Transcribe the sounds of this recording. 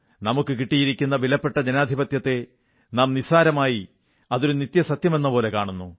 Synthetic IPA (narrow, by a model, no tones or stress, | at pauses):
nɐmukːɨkiʈːijiɾikʲːunːɐʋilɐpːe̞ʈːɐd͡ʑɐnaːd̪ʱibɐt̪jɐt̪ːe̞ | naːmnisaːɾɐmaːji | ɐðoɾunit̪jɐsɐt̪jɐme̞nːɐpo̞ːle̞kaːɳunːu